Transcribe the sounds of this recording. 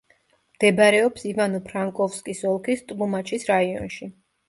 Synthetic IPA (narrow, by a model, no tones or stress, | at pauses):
md̪̥ɛbaɾɛɔpsivanɔpʰɾaŋkʼɔfskʼisɔlˠkʰist̪ʼlumat͡ʃʰʼisɾaiɔ̰nʃi